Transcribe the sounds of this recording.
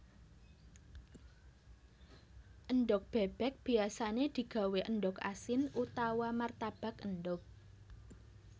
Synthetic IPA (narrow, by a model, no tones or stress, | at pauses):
ʔənɳɖʊk̚b̥ɛb̥ɛk̚b̥i̤asaned̪̥i̤ɡ̥a̤weʔənɖʊka̰sɪnut̪awamart̪ab̥a̤kənɖʊk̚